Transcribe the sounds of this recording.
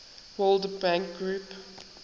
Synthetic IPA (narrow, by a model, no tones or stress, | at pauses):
wɔldbãŋk̚ɡɹuːp